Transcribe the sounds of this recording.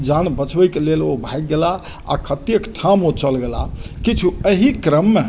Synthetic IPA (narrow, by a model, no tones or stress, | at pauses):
d͡ʒanbət͡ʃbəjkelelobʱajk̚ɡela | a̰kʰət̪ijəkʈʰamot͡ʃəlɡela̰kit͡ʃʰuəɦikɾəmːe